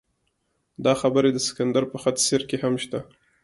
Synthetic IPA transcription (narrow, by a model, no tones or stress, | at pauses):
d̪ɑxabəɾed̪əsɪ̥kand̪aɾpəxat̪seɾkehamʃt̪a